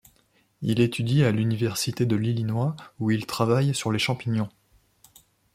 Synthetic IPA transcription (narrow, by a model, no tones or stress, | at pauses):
ilet̪ʰyd̪ialynivɛʁsit̪ed̪əlilinwauilt̪χavajsyʁleʃɑ̃piɲjɔ̃